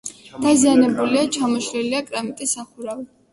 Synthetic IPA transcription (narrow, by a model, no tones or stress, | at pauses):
d̪̥azianɛbuliat͡ʃʰamɔʃɾɛliakʼɾamit̪ʼisːaχuɾavi